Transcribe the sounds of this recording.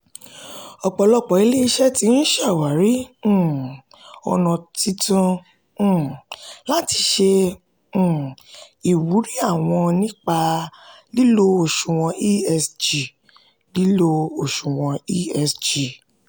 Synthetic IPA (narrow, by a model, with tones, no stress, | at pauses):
ɔ˧k͡pɔ˧lɔ˦k͡pɔ˨i˧˦le˦i˦ʃɛ˦ti˧˦n̩˦ʃa˦˨wa˨ɾĩ˨˦˨ | ɔ̰˧nɔ̃˧ti˦tũ˦˨ | la˦ti˧ʃẽ˧˦˨ | i˨wu˨˦ɾi˦a˦˨w̃ɔ̃˧nĩ˦k͡pa˧ | li˦lo˦o˦˨ʃũ˨w̃ɔ̃˧ʔi˦ɛ˧sd͡ʒi˨ | li˦lo˦˧o˨ʃũ˨w̃ɔ̃˧i˦ɛ˧sd͡ʒi˨